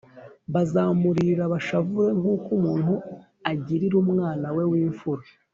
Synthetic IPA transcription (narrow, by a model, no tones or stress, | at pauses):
βazaːmuɾiɾaβaʃavuɾe̞ŋuːkumuːnhu | aɟiɾiɾuːmŋaːnawe̞wiːɱfuɾe